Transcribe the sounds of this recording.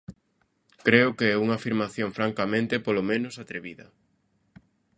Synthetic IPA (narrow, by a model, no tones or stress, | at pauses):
kɾeʊkeɛuŋaːfiɾmaθjoŋfɾaŋkamẽnt̪epolomẽnʊsat̪ɾeβiðɐ